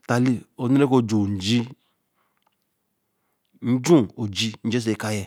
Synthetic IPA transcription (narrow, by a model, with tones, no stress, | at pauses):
ta˨li˦o˨˦u˦ɾe˦ko˦d͡ʒo˨n̩˨d͡ʒi˦ | n̩˦d͡ʒũ˦˨o˨d͡ʒi˦n̩˦d͡ʒe˦s̬e˨˦ka˦jɛ˨